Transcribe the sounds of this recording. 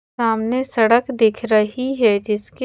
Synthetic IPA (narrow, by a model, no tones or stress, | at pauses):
aːmnesɐɽəkd̪ɪkʰɾɐɦiɦɛd͡ʒɪske